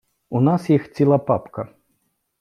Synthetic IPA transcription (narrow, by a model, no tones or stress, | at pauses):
unasjixt͡sʲilˠɐpapkɐ